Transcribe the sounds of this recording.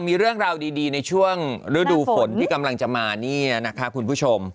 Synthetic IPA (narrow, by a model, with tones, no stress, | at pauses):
miː˧ɾɯ˥˩əŋɾaː˧wdiː˧diː˧na˧jt͡ɕʰu˥˩əŋɾɯ˦˥duː˧fo˩˦nt̪ʰiː˥˩ka˧mla˧ŋt͡ɕa˨˩maː˧niː˥˩na˦˥kʰa˦˥kʰu˧npʰuː˥˩t͡ɕʰo˧m